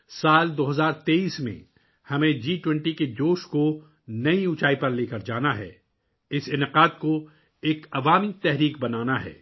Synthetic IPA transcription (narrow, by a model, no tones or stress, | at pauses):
saːld̪oːɦɐzaːɾt̪eːiːsmḛ̃ | hɐmẽd͡ʒiːʈwɛ̃ɳʈiked͡ʒoːʃko | nɐiʊt͡ʃaːipɐɾleːkɐɾd͡ʒaːnaɦɛ̰ː | ɪsɪnɪqaːd̪ko | eːkɐʋaːmit̪ɛɦɾiːkbɐnaːnaɦɛ̰ː